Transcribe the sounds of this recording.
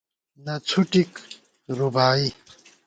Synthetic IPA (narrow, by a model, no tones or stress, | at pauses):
nɐt͡sʰuʈik | ɾubaːi